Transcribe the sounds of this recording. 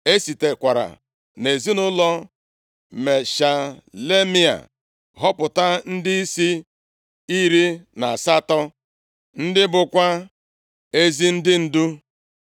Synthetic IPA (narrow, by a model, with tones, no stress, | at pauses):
e˦si˨te˨kʷa˨ɾa̰˨ | ne˨zi˦nʊ˦lɔ˦ | me˨ʃa˨le˦mi˦a̰˨ | ɦɔ˦pʊ˨ta˦n̩˦dɪ˦i˦si˦ | i˦ɾi˦na˨a˨sa˦tɔ˦ | n̩˦dɪ˦bʊ˨kʷa˦ | e˦zi˦n̩˦dɪ˦n̩˦du˦